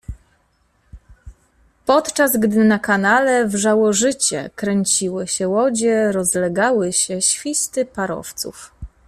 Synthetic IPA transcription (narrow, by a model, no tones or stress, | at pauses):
pɔt̪t͡ʂazɡd̪ɘnakanalɛvʐawɔʐɘt͡ɕɛ̰kɾɛɲt͡ɕiwɘɕɛwɔd͡ʑɛɾɔzlɛɡawɘɕɛɕfʲist̪ɘpaɾɔ̰ft̪sṵf